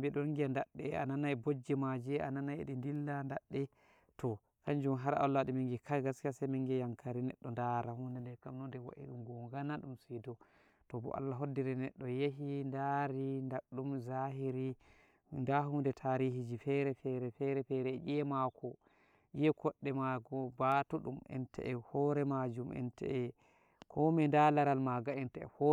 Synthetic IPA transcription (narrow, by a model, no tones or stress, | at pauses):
mbiɗɔɾŋɡiandaɗːɛa̰nanajbod͡ʒːɛmad͡ʒɛa̰nanajeɗindilːandaɗːɛ | tɔ | kaɲd͡ʒumɦaɾa̰lːaɗimiŋɡɛkʰaɡaskasajmiŋɡɛjaŋkaɾinɛɗːɔndaɾahundɛndɛɾkamnɔndɛwa̰ʔḭɗumɡɔɡanaɗumsidɔ | tɔbɔ̰ʔa̰lːaɦodːiɾɛnɛɗːɔjeɦindaɾindaɗumzaɦiɾi | ndaɦundɛtʰaɾihid͡ʒifɛɾɛfɛɾɛfɛɾɛfɛɾɛɛʔiɛmakʰɔ | ʔijɛkɔɗːɛmaɡɔbatuɗumɛ̰ntʰɛ̰ʔɛhɔɾɛmad͡ʒumʔɛ̰ntɛ̰ʔɛ | kʰɔmɛndalaɾalmaɡaɛntɛɛ̰hɔ